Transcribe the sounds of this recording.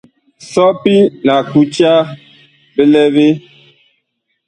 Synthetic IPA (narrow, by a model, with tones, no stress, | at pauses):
sɔ˦pi˦la˨ku˦t͡ʃa˦ | be˦lɛ˦be˦